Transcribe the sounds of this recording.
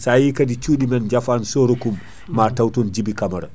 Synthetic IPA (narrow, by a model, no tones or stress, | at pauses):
sajikadit͡ʃuːɗimɛnd͡ʒafansɔɾokumː | atawtund͡ʒibikamaɾa̰